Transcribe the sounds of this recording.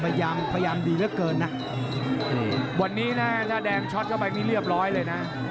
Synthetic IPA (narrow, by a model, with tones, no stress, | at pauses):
pa˧jjaː˧mpʰa˧ja˧jaː˧mduː˧ɾɯ˦˥˩kɤː˧nːa˦˥ | ɯ˨˩wa˧˩nːiː˦˥na˦˥t̪ʰaː˥˩dɛː˧ŋt͡ɕʰɔ˦˥t̪̚kɔ˥˩baː˧˩k̚niː˥˩ɾɯ˥˩əp̚ɾɔː˦˥jlɤː˧jna˦˥ʔ